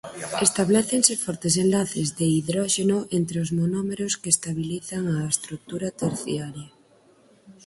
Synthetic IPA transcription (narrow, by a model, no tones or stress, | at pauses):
est̪aβlɛθensefɔɾt̪es̬enlaθezðeiðɾɔʃenoʔent̪ɾeozmonɔmeɾoskest̪aβ̞iliθaŋaest̪ɾuk̚t̪uɾat̪eɾθjaɾja